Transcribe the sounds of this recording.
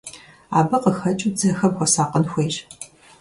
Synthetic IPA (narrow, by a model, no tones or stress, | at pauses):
a̰ːbɨqəxɐt͡ʃʼud͡zɐxɐmxʷɔsaːqənxʷeːɕ